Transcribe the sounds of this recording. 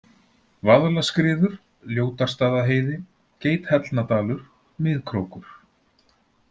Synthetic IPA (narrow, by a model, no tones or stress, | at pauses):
vaðlaskɾɪːðʏɾ̥ | ljoːwt̪ar̥st̪aːðaɦeːjðɪ | ceːjt̪hɛt̪lnat̪aːlʏɾ̥ | mɪːðkʰɾoːwkʏɾ̥